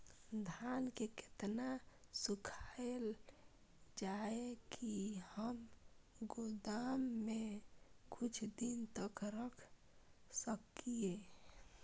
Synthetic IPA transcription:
d̪ʱankekɪ̥t̪nasʊkʰael | d͡ʒaekʰihəm | ɡʊd̪amːekʊt͡ʃʰd̪int̪əkɾəkʰ | səkːie

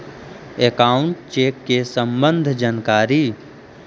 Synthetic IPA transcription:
ekaːʊɳʈt͡ʃeːkːesə̃mbə̃nd̪ʱd͡ʒaːnkaːɾi

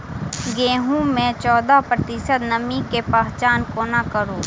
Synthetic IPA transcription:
ɡeːɦũmẽt͡ʃɔːd̪apɾət̪ɪʃəd̪nɐmikepaːɦt͡ʃaːnkoːnakəɾoː

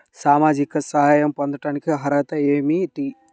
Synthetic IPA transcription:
saːmaːd͡ʒikɐsɐɦaːjɐmpond̪ɐʈaːnikiɦɐɾɐɐt̪ɐeːmiʈ̪i

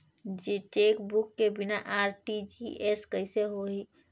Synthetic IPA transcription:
d͡ʒeʈekbukːebinaʔaɾʈid͡ʒiʔeskəɪseɦoi

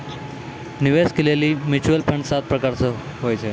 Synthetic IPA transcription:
niʋeskeleliːmit͡ɕuəlpʰəɳsat̪̚pɾəkaɾt͡sə | ɦojt͡sʰe

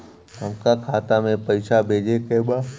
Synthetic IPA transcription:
ɦəmkakʰaːt̪amẽpəɪʃabʱeːd͡ʒekeːbaː

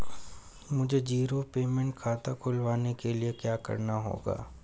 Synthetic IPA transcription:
mʊd͡ʒʱed͡ʒiːɾopeːmɛ̃ɳʈ̚kʰaːt̪akʰʊlʋaːnekeliekjaːkɐ̰ɾnaɦo̰ːɡa̰ː

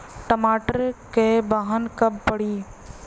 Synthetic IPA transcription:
ʈəmaːʈəɾkebaːɦənkəbːəɽiː

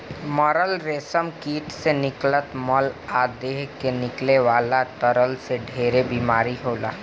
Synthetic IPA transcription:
mɔːɾəlɾeːsəmkiːʈsenɪklət̪mɔlaːd̪eːɦkenɪkleʋaːlat̪əɾəlseɖʱeːɾebiːmaːɾiɦoːla̰ː

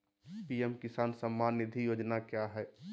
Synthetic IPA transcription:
piɛmkɪsaːnsəmːaːnːɪd̪ʱijoːd͡ʒnakjaɦɛː

